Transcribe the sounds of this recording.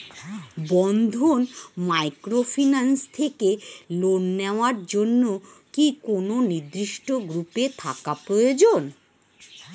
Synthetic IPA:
bɔnd̪ʱonmajkɾofʰinanst̪ʰekelonːeoaɾd͡ʑonːo | kikononid̪ɾiʃʈoɡɾupet̪ʰakapɾojod͡ʑon

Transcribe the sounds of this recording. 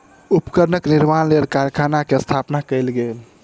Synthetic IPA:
upkəɾnəkniɾmanlelkaɾjkʰanakeəst̪ʰapnakəjlɡel

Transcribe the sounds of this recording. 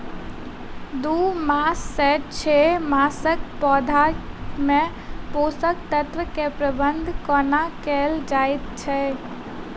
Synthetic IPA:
d̪umasːɛʈt͡ʃʰɛmasəkpɔd̪ʱamẽ | posək̚t̪ət̪ʋəkepɾəbənd̪ʱkɔnakɛld͡ʒajt̪t͡ʃʰɛ

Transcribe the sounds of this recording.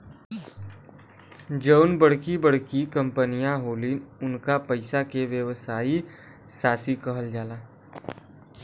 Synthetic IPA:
d͡ʒəʊnbəɽ̤kibəɽ̤kikə̃mpənijãɦoːliʊnkapəɪsakeʋjəʋsaːi | saːsikɐɦəld͡ʒaːlaː

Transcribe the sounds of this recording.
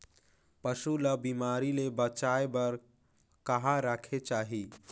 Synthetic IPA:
pəʃuləbimaːɾilebət͡ʃaebəɾ | kəɦaɾəkʰet͡ʃaːɦi

